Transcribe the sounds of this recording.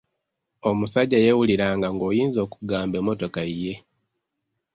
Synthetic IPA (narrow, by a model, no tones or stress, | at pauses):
o̞musaɟːajewuliɾaːŋɡaŋɡo̞ːjiːnzo̞ːkuɡaːmbe̞mːo̞to̞kaije̞